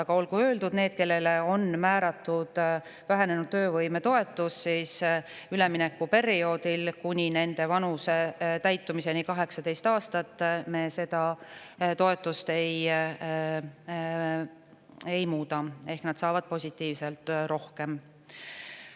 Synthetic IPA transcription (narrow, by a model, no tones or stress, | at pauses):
ɑɡ̥ɑo̞lɡuø̞ːld̪ud̪̥ne̞ːd̪̥̚ke̞lːe̞le̞o̞nmæːɾɑt̪ːud̪̥ | væɦene̞nud̪̥t̪øːvɤjme̞t̪o̞e̞t̪ːˑusːiːs | yle̞mine̞kːupe̞ɾio̞ːd̪ilkunʲine̞nd̪e̞vɑnuset̪æjt̪ːˑumise̞nikɑɦe̞ksɑd̪e̞jst̪ɑːst̪ɑt̪ːˑme̞ːse̞d̪̥ɑ | t̪o̞e̞t̪ːˑust̪e̞j | ejmuːt̪ɑe̞hknɑd̪̥sɑːvɑd̪̥̚po̞sʲit̪ːˑiːvse̞lt̪ˑːro̞hke̞m